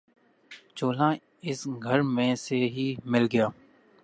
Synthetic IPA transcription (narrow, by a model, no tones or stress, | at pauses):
t͡ʃoːlãː | ɪsɡʱɐɾmẽseɦiːmɪlɡɐjaː